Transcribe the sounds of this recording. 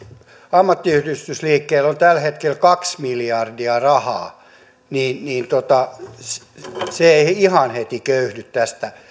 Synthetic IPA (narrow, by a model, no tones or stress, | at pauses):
ɑmːɑt̪ːiyhdyst̪ysliːkːeːlont̪ælhet̪kelkɑksmiljɑrdiɑrɑhɑ̰ː | niːnniːnt̪ot̪ɑs | seeihihɑnhet̪ikøyhnyt̪t̪æst̪æ